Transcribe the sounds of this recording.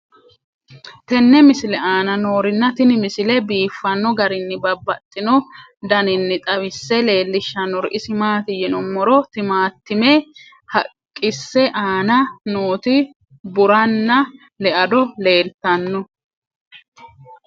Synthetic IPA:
t̪ɛnːɛmɪsɪlɛaːnɐno̞ːɾɪnːɐt̪ɪnɪmɪsɪlɛbiːfːɐnːɔɡɐɾɪnːɪbɐbːɐt̪ʼːɪnɔ | d̪ɐnɪnːɪt̪ʼɐβɪsːɛle̞ːlːɪʃːɐnːɔɾʔɪsɪmaːt̪ɪjɛnɔmːɔɾɔt̪ɪmaːt̪ːɪmɛ | hɐ̰kʼːɪsːɛʔaːnɐnoːt̪ɪ | bʊɾɐnːɐ | lɛʔɐd̪ɔle̞ːlt̪ɐnːɔ

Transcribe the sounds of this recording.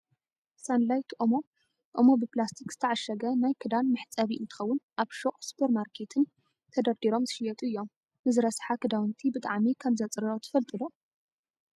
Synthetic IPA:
sanlajt̪ʰʔomo̞ | ʔo̰mo̞bɨplast̪ʰikzɨt̪ʰɐʕaʃɐɡɐnajkʰɨd̪anmɨħt͡sʼɐβiʔɨnt̪ʰɨ̥xɐwːʊnʔaβʃoχʼspʰoɾmaɾkʰe̞t̪ʰɨn | t̪ʰɐd̪ɐɾd̪iɾo̞mzɨʃɪjɐt̪ʼuɨjːo̞m | nɨzɨɾɐsħakʰɨd̪awɨnt̪ʰibɨt̪ʼaʕmikʰɐmzɐt͡sʼɾɾot̪ʰɨ̥fɐlt̪ʼɨlo

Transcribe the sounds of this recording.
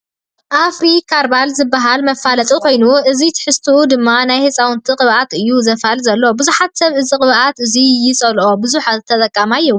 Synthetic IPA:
ʔafɾikʰaɾbalzɨbːaɦalmɐfalɐt̪ʼukʰo̞jnuʔɨzit̪ʰɨ̥ħɨst̪ʰɨud̪ɨmːanajhesʼawʊnt̪ʰiqʼɨβʔat̪ɨjːuzɐfhalzɐlːobɨzuħat̪sɐβɨzikʼɨβʔat̪ɨzijɪsʼɐlʔo̞bɨzuħaɨt̪ʰɐt̪ʼɐkʼːamajːɛ

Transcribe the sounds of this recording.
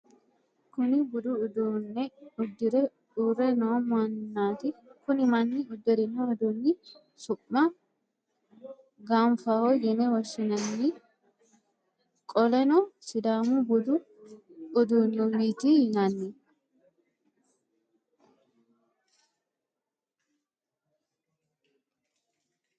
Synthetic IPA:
kʊnɪbʊd̪ʊːd̪unːɛʊd̪ːɪɾɛ | uːɾɛnɔwmɐnːaːt̪ɪkʊnɪmɐnːɪʊd̪ːɛɾɪnːɔɔd̪unːɪ | sʊpːɐ | ɡaɱfahojɛnɛwɔʃːɪnɐnːi | kʼɔlɛnɔsɪd̪aːmʊbʊd̪ʊ | ʊd̪ʊnːɔmiːt̪inɐnːɪ

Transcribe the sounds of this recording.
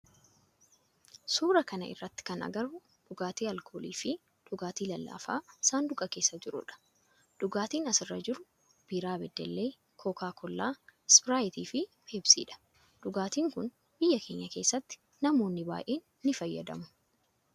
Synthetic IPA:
suːɾɐkɐnɐ̰ɪ̰rːɐt̪ːɪ̥kɐnʔɐ̰ɡɐɾʊ | d̪̥ʊɡaːt̪iːɐlkʰoːlḭːfɪ | ᶑ̪̥ʊɡaːt̪iːlɐlːa̰ːfa̰ːsaːnd̪ʊkʼɐke̞ːsːɐd͡ʒɪɾʊ̰ᶑɐ̥ | d̪̥ʊɡaːt̪iːnɐsɪrːɐd͡ʒɪɾʊ | b̥iːɾaːbɛd̪ːɛlːe̞ː | kʰoːkaːkʰɔlːaːspɪɾaːjɪt̪iːfɪbe̞ːbsḭːᶑɐ̥ | d̪̥ʊɡaːt̪iːŋkʊn | bɪjːɐkʰe̞ːɲːɐke̞ːsːɐt̪ːɪ̥ | nɐmo̞ːnːɪba̰ːʔe̞ːnːɪfɐjːɐ̰d̪ɐ̰mʊ

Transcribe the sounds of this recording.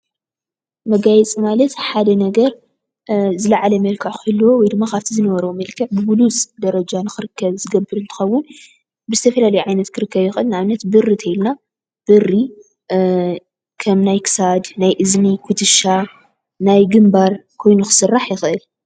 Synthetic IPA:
mɐɡajɛt͡sʼimalɐt̪ħad̪ɐnɐɡɐɾ | zɨlaʕalɐmɐlkʰɐʕxɨlːwowɔjd̪ɨmːakʰaβt̪ʰizɨnɐβɐɾwomɐlkʰɐʕbɨbulut͡sʼd̪ɐɾɐd͡ʒanɨxɨɾɨkʰːɐβzɨɡɐbːɨɾɨnt̪ʰɨ̥xɐwːʊn | bɨzɨt̪ʰɐfɐlalɐjuʕajnɐt̪kʰɨɾɨkːɐβjɪxʔɨlnʕaβnɐt̪bɨrːit̪ʰɐjilna | b̥ɨrːi | kʰɐmnajkʰɨ̥sad̪najʔɨznikʰut̪ʰɨʃa | najɡɨmbaɾkʰo̞jnuxɨ̥sɨrːaħjɪxʔɨl

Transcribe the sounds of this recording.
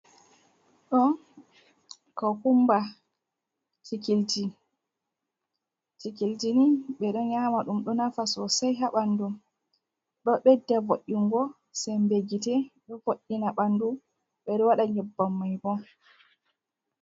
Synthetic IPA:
ɗɔ | kɔkumba | tikild͡ʒi | tikild͡ʒiniɓɛɗɔɲamaɗumɗɔnafasɔsajɦaɓandum | ɗɔɓɛdːɛvoʔːiŋɡɔ | sɛmbeɡitɛɗɔvoʔːinaɓandu | ɓɛɗɔwaɗaɲɛbːamːajbɔ

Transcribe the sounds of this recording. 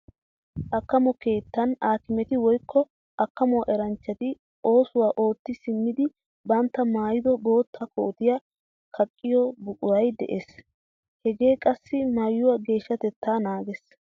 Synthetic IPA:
ʔɐkːɐmɔke̞ːt̪ːɐnaːkɪmɛt̪ɪwɔjkʰːɔ | ʔɐkːɐmʊwaʔɛɾɐnt͡ʃːɐt̪ɪ | ʔo̞ːsʊwaːʔo̞ːt̪ːɪsɪmːɪd̪ɪ | bɐnt̪ːɐmaːjɪd̪ɔbo̞ːt̪ʰːɐko̰ːt̪ɪjɐ | kʰɐkʼːɪjɔbʊkʼʊɾɐjd̪ɛ̰ʔes | hɛɡe̞ːkʼɐsːɪmajːʊwɐɡe̞ːʃːɐt̪ɛt̪ːaːnaːɡɛs

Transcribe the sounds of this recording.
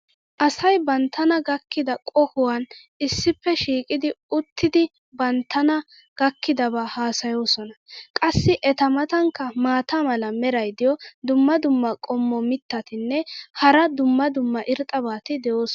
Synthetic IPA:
ʔɐsɐjbɐnt̪ʰːɐnɐɡɐkːɪd̪ɐkʼɔhʊwan | ɪsːɪpːɛʃiːkʼɪd̪ɪʊt̪ʰːɪd̪ɪ | bɐnt̪ːɐnɐ | ɡ̥ɐkːɪd̪ɐbaːhaːsɐjo̞ːsɔnɐkʼɐsːɪʔɛt̪ɐmɐt̪ɐŋkːɐmaːt̪amɐlɐmɛɾɐjd̪ɪjɔd̪ʊmːɐd̪ʊmːɐkʼɔmːɔmɪt̪ːɐt̪ɪnːɛhɐɾɐd̪ʊmːɐd̪ʊmːɐʔɪɾt̪ʼɐbaːt̪ɪd̪ɛjo̞ːsɔ

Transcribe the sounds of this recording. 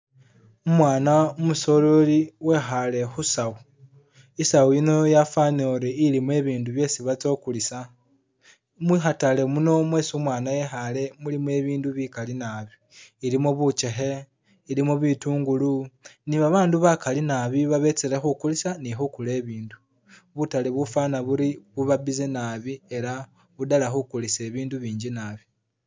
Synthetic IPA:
umwaːnaumuso̞lo̞liwe̞xale̞xusau | isawuino̞jafanoɾeilimwe̞ːβiːnduβje̞siβat͡so̞ːkulisa | mixatale̞muno̞mwe̞ːsumwaːnaje̞xale̞mulimwe̞ːβiːnduβikalinaβi | iɾimoβut͡ʃe̞xe̞ | ilimoβituːŋɡuluniβaβaːnduβakalinaβiβaβe̞t͡seɾexukulisanixukule̞ːβiːndu | βutaleβufaːnaβuɾiβuβabizenaβie̞ɾa | βudalaxukulise̞ːβiːnduβiːɲɟinaːβi

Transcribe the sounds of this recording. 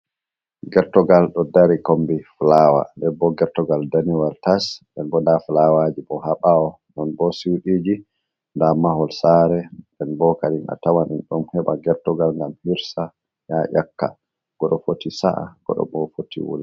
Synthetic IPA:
ɡɛɾtɔɡalɗɔdaɾikombiflawa̰ndɛbɔɡɛɾtɔɡaldaniwaltasdɛnbɔndaflawad͡ʒiɓɔhaɓaɔ | nɔnbɔsiwɗiːd͡ʒi | ndamahɔlsaɾɛ | ɛnbɔkaɗina̰tawanɛnɗɔmhɛɓaɡɛɾtɔɡalŋɡamhiɾsa | jaʔakːa̰ | ɡ̥ɔɗɔfotisa̰ʔa̰ɡ̥ɔ̰ɗɔ̰bɔfotʰḭwṵl

